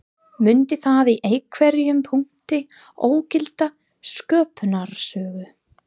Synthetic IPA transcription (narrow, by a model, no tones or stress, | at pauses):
mʏnt̪ɪθaðiʔeːjkʰvɛɾijʏmpʰuŋ̥t̪ɪ | oːwcɪlt̪a | skœːpnaɾ̥sœːɣʏ